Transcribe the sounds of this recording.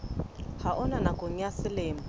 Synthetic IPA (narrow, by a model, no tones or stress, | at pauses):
haʔɔnanakʼoŋ̩jasɪlɪːm̩